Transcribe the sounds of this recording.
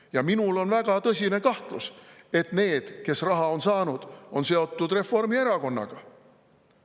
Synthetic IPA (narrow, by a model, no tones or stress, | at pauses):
jɑminulo̞nvæɡ̥ɑt̪ɤsʲine̞kɑht̪luse̞t̪ˑne̞ːd̪̥ke̞srɑɦɑo̞nsɑːnud̪̥o̞nse̞o̞t̪ːud̪̥re̞fːo̞rmie̞ɾɑko̞nːɑ̰ɡ̥ɑ